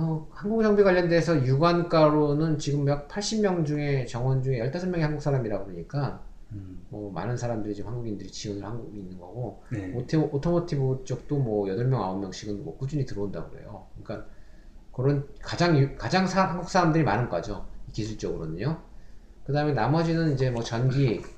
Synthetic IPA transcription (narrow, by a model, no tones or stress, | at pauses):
ʌhaŋɡuksʰʌŋbiɡwaʎːjʌndeːsʰʌjuɡank͈aɾonɯnt͡ɕiɡɯmjak̚pʰaɭɕ͈imjʌŋd͡ʑuŋe̞t͡ɕʌŋwʌnd͡ʑuŋe̞jʌɭt͈ʰasʰʌmjʌŋehaŋɡuks͈ʰaɾamiɾaɡoaɲik͈a | mʌma̰nɯnsʰaɾamdɯɾit͡ɕimhaŋɡuɡindɯɾit͡ɕiʌnɯɭhaŋɡuɡiːnːɯnɡʌɡo | otʰotʰomotʰibot͡ɕ͈ʌk̚t͈omwʌjʌdʌɭmjʌŋa̰omːjʌŋɕ͈ʰiɡɯnmwʌ̰kud͡ʑuɲitɯɾʌunda̰ɡɯɾḛjo̰ɯɲik͈an | kɯɾʌnkad͡ʑaŋjukad͡ʑaŋsʰaɦaŋɡuk̚s͈ʰaɾamdɯɾima̰nɯnkad͡ʑoikisʰuɭt͡ɕ͈ʌɡɯɾʌdɯɲo | kɯdaɯmjʌnamʌd͡ʑinɯnid͡ʑe̞mʌt͡ɕʌnɡi